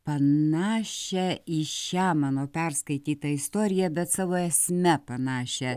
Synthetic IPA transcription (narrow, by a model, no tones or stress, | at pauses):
pɐnɑːʃʲɛɪʃʲæːmɑːnoːpʲɛrskɐɪt̪ʲiːt̪ɐɪst̪oːɾʲɪjɛbʲɛt̪sɑːʋoːɛsʲmʲɛpɐnɑːʃʲɛ